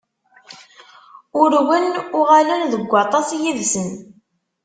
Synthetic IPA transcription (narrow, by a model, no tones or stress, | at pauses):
ʊɾwənʊʁalænðəɡʷːɑt̪ˤɑsjiðsən